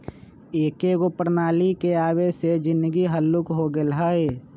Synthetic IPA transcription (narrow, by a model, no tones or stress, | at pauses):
eːkeɡopəɾnaːlikeaːwesed͡ʒɪ̃nd̪əɡiɦəlːʊkɦoɡelɦaeː